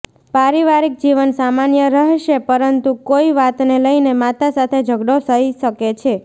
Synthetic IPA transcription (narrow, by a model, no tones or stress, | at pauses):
paɾiʋaɾik̚d͡ʒiʋənsamanjəɾəɦʃepəɾənt̪ukoiʋat̪neləinemat̪asat̪ʰed͡ʒʱəɡɽosəiʃəket͡ʃʰe